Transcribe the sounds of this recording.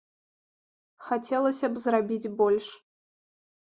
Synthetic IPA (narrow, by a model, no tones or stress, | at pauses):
xat͡sʲɛlˠɐsʲɐbzrabʲid͡zʲbɔlʲʂ